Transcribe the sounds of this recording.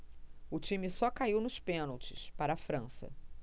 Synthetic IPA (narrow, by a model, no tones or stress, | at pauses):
ʊt͡ʃĩmisɔkaiwnʊʃpẽnowt͡ʃɪ̰spaɾɐafɾɐ̃sɐ̰